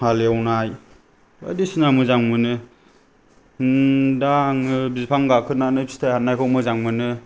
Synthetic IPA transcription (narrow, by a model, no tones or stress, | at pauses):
haleawnaj | a̰disinamɯzaŋmɯnɯ | daŋbizpʰaŋɡakʰɯnanɯbi̥stʰahanːajkʰɔwmɯzaŋmɯnɯ